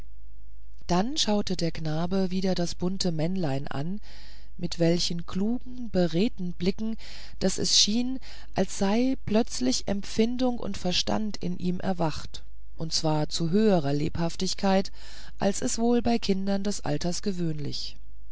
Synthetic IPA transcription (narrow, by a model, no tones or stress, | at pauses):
d̥anʃaʊtədeːɐknaːbəviːdɐdasb̥ʊntʰəmɛnlaɪnʔa̰n | mɪtv̥ɛlçənkʰl̥uːɡŋ̩bəʁeːtn̩blɪkŋ̩ | d̥asɛ̰sʃiːn | ʔalsz̥aɪplœt͡slɪçʔɛ̰mfɪndʊŋʔʊ̰ntfɛɐʃta̰ntɪ̰nʔiːmʔɛ̰ɐvaχt | ʔʊntt͡sv̥aːɐt͡suɦøːəʁ̞ɐlḛːphaftɪçkʰaɪt | ʔa̰lsɛsv̥oːlbaɪkʰɪndɐndɛsʔa̰ltɐsɡ̥əvøːnlɪ̰ç